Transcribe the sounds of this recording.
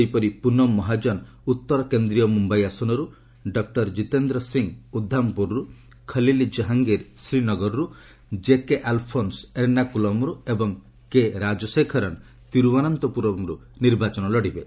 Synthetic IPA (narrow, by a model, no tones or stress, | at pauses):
ejpɔɾipunɔmːɔɦad͡ʒɔn | ut̪ːɔɾɔkend̪ɾijɔmumbajasɔnɔɾu | ɖɔk̚ʈɔɾd͡ʒit̪end̪ɾɔsiŋud̪ʱːampuɾɾu | kʰɐlilid͡ʒɔɦaŋɡeɾsɾinɔɡɔɾɔɾu | d͡ʒekeʔalpʰonseɾnakulɔmɾuebɔŋ | keɾad͡ʒɔsekʰɔɾɔn | t̪iɾubanant̪ɔpuɾɔmɾu | niɾbat͡ʃɔnɔlɔɽibe